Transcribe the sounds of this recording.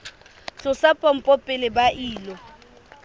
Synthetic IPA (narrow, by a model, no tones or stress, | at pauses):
t͡sʼʊsapʼɔm̩pʼɔpʼɪlɪbaʔiːlɔ